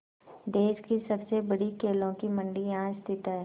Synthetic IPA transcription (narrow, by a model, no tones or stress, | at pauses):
d̪eːʃkisɐbsebɐɽikeːlõkimɐ̃ɳɖiãːst̪ʰɪt̪ɦɛː